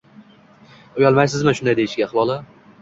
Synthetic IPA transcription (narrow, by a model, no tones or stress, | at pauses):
ojɒlˠmajsɪzmɪnʃʊnd̪ajd̪ejiʃɡʲaχwɒlˠɪ